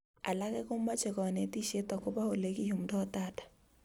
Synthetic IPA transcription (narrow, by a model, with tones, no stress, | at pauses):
a̰˨la˦kɛ˦kʊ˦ma˦t͡ʃɛ˨kɔ˨ne˨ti˦ʃe˦tɔ˨kʊ˦ba˦o˨le˦ki˦jʊ˨mdɔ˦ta˦˨tḁ˨